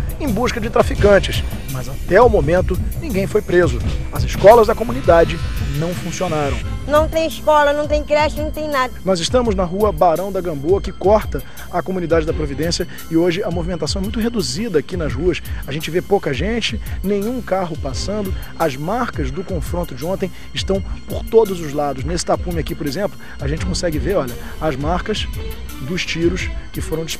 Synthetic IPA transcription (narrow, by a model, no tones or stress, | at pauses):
ẽj̃buʃkɐd͡ʒɪt̪ɾafikɐ̃nt͡ʃɪs | mɐzat̪ɛumomẽnt̪ʊnĩɡẽj̃fojpɾezʊɐzɪskɔlɐzd̪ɐkomũnid̪ad͡ʒɪnɐ̃w̃fũsionaɾɐ̃w̃nɐ̃w̃t̪ẽj̃ɪʃkɔlɐnɐ̃w̃t̪ẽj̃kɾɛʃt͡ʃɪnɐ̃w̃t̪ẽj̃nad̪ɐnɔzɪʃt̪ɐ̃mʊznɐɦuɐbaɾɐ̃w̃d̪ɐɡɐ̃mboɐkɪkɔɾt̪ɐ | ɐkomũnid̪ad͡ʒɪd̪ɐpɾovid̪ẽsjɐ | ɪoʒɪɐmovimẽnt̪asɐ̃w̃ɛmũj̃t̪ʊɦed̪uzid̪ɐːkinɐzhuɐsɐʒẽnt͡ʃɪvepowkɐʒẽt͡ʃɪnẽj̃ũkaɦʊpasɐ̃nd̪ʊ | ɐzmaɾkɐzd̪ʊkõfɾõnt̪ʊd͡ʒɪõnt̪ẽj̃ | ɪʃt̪ɐ̃w̃poɾt̪od̪ʊzʊzlad̪ʊʃ̬nesɪ̥t̪apũmɪakipoɾezẽmplʊ | ɐʒẽnt͡ʃɪ̥kõsɛɡɪveɾɔʎɐ | ɐzmaɾkɐz | d̪ʊʃt͡ʃiɾʊskɪfoɾɐ̃w̃d͡ʒɪ̥ʃ